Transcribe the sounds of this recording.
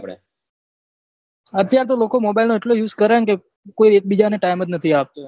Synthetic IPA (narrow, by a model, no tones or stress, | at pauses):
pɽḛ | ət̪jaɾt̪̬olokomobajlnoeʈlojuːzkəɾãnke | koiek̚bid͡ʒaneʈajməd͡ʒnət̪ʰiap̚t̪o